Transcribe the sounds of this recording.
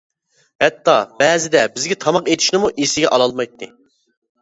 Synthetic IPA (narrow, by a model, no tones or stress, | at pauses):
hɛt̪ʰːɑb̥ɛzɪd̪ɛbɪzɡʲɛt̪ʰɑmɑqet̪ʰɪ̥ʃnɪmuʔesɪɡʲɛʔɑlˠɑlˠmɑjt̪ʰːɨ